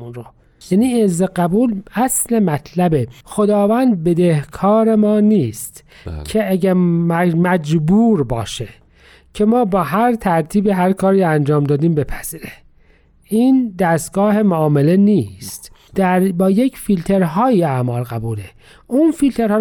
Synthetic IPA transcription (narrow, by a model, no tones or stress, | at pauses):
unɾo | jæːniːezeɢæbuːlæslemæt̪ʰlæbexod̪ɒːvænd̪̚be̞d̪ehkʰɒːɾe̞mɒːniːst̪ | cʰeæɡæɾmæd͡ʒbuːɾbɒ̰ːʃe | cʰe̞mɒːbɒːɦæɾt̪ʰæɾt̪ʰiːbiɦæɾkʰɒːɾiːænd͡ʒɒːmd̪ɒːd̪iːmbe̞pʰæz̥iːɾe | ʔiːnd̪æst̪̚ɡɒːhe̞moɒːmele̞niːst̪ | d̪̥æɾbɒːjecʰfilt̪ʰe̞ɾɦɒːjiæʔmɒːlɣæbuːle | ʔunfilt̪ʰeɾhɒː